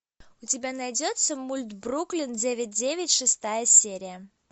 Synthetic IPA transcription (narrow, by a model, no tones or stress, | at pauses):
ʊtʲɪbʲanajdʲot̪səmulʲt̪bruklʲɪndʲevʲɪt̚ʲdʲevʲɪtʲʂɨst̪ajəsʲeɾʲɪjə